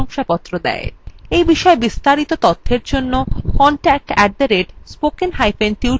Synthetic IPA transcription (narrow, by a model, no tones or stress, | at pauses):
ɔŋʃapɔt̪ːɾod̪ɛ̰ḛɾejbiʃɔebist̪aɾit̪ot̪ɔt̪ʰːeɾd͡ʑonːokɔɳʈɛk̚ʈɛʈ̚d̪eɾeɖspokenɦajfenʈiw